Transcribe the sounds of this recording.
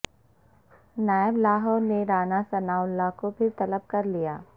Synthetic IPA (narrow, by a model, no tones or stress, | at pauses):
naːjəblaːɦɔːɾneɾaːnasɐnaːʊlːakopʰɪɾt̪ɐləb̚kɐɾlijaː